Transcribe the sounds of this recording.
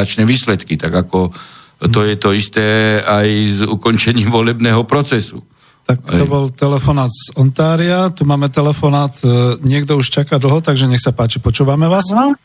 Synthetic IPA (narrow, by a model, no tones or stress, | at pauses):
at͡ʃnɛʋiːslɛt̪kit̪aɡakɔ | t̪ɔjɛt̪ɔist̪ɛːajzukɔnt͡ʃɛɲiːmʋɔlɛbnɛːɦɔpɾɔt͡sɛsṵ | t̪ak̚t̪ɔbɔlt̪ɛlɛfɔnaːd̪z̥ɔnt̪aːɾiat̪umaːmɛt̪ɛlɛfɔnaːt̪ɲɪɛɡd̪ɔuʃt͡ʃakad̪l̩ˠɦɔt̪aɡʒɛɲɛxsapaːt͡ʃipɔt͡ʃuːʋamɛʋaːs